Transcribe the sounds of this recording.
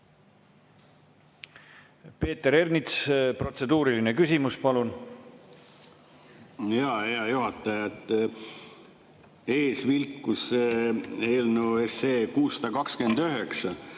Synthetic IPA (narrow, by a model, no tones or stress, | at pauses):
pe̞ːt̪ːˑe̞ɾe̞rnit̪spro̞t̪se̞d̪uːɾiline̞kysimuspɑlun | jɑe̞ɑjuɦɑt̪ˑːɑjɑt̪ˑ | e̞ːsvilkːus | eːlnueseːkuːsːɑ̥d̪̥ɑkɑkske̞nd̪yɦeksɑ